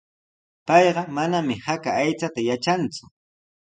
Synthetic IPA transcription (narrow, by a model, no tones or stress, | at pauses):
pɑjɢɑmanamɪhakaːjt͡sat̪ajat͡ʃant͡sʊ̥